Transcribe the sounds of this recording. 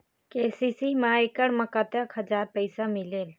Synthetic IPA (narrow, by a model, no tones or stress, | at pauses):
keːsisimaekəɽməkat̪jakʰəd͡ʒaːɾpəɪsamileːl